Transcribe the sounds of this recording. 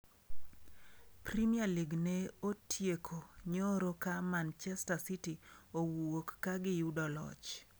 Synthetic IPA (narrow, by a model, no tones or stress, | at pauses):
pɾimialiɡneotʰjekʰoɲoɾokamant͡ʃɛstasitiowokːaɡɪjudɔlɔ̰t͡ʃ